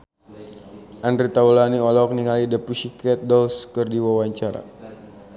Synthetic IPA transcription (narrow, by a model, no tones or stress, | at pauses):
ʔandrit̪aulaniɔlɔk̚niŋalidəpuʃikɛt̪̚dɔlskɨrdiwawaɲt͡ʃaɾa̰